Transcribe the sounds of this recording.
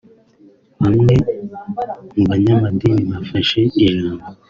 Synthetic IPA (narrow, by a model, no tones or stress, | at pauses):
hamŋe | ŋbaɲamadinimafaʃeiɾama